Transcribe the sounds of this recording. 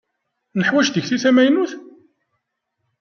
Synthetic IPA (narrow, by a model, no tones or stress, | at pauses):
nəħwæʃðəçθiθæmæjnuθ